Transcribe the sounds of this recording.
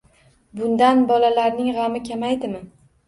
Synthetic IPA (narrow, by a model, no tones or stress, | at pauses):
bʊnd̪anbɒlalaɾnɪŋʁɑmɪkʲʰamajd̪ɪmɪ